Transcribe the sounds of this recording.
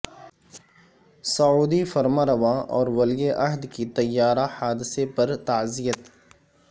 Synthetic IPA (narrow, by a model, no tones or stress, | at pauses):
sɐuːd̪ifɐɾmaɾɐʋaːɔːɾwɐlijeʔɐɦd̪kit̪ɐjːaːɾahaːd̪ɪsepɐɾt̪aːzijət̪